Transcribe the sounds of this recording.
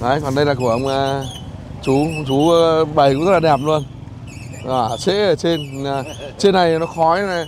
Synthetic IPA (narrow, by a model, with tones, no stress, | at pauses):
ʔə˨˦jkɔ˨˩nɗə˧jlaː˨˩ku˧˩əʔə˧wŋ͡maː˨˩ | t͡ɕu˨˦t͡ɕu˨˦ɓə˨˩jkʊ̰˧˥ŋ͡mzə˦˥laː˨˩ɗɛ˨˩p̚lu˧ən | a˨˩sḛ˧˥ʔəː˧˩t͡ɕe˧n˧aː˨˩t͡ɕe˧nːa˨˩jnɔ˨˦xɔ˨˦ja˨˩